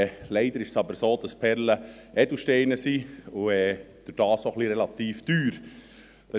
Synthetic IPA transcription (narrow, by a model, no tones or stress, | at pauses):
lɛɪd̪əɾɪʃsɑbəɾsoːd̥̪ɑspʰɛɾləɛd̥uʃtɛɪnəsiʊɛː | d̥ʊɾd̥ɑːsoχliɾɛlɑt̪iːfd̪̥yːɾ | d̥ɑ